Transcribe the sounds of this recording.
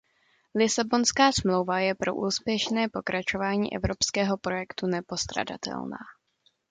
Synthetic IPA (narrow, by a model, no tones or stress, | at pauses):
lɪsabo̞nskaːsmlowvajɛpɾo̞ʔuːspjɛʃnɛːpo̞kɾʔat͡ʃo̞vaːɲḭːʔɛ̰vɾo̞pskɛːɦo̞pɾo̞jɛkt̪unɛpo̞st̪ɾa̰da̰t̪ɛ̰lna̰ː